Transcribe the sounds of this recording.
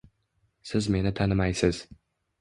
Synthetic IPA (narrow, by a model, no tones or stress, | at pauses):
sɪzme̞nɪt̪ʰanɪmajsɪz̥